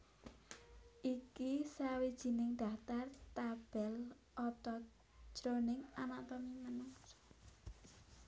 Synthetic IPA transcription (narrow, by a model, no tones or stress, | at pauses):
ʔikisawid̥ʒ̥i̤nɪŋd̪̥a̤t̪art̪ab̥ɛl | ʔɔt̪ɔ̥ | ʒ̥ɾonɪŋanaʔt̪ɔmimənʊs